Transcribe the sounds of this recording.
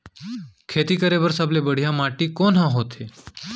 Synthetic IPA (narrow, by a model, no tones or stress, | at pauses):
kʰeːt̪iːkəɾebəɾsəblebəɽ̤ijãmaːʈikoːnɦãɦoːt̪ʰeː